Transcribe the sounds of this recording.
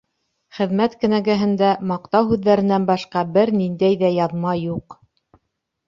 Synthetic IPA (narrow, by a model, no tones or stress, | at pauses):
χɘ̆ðmæt̪kɘ̆næɡæɦɘ̆nd̪æmɑqt̪ɑwhʉðːæɾɘ̆nænbɑʃqɑbɘɾnind̪æjðæjɑðmɑjuq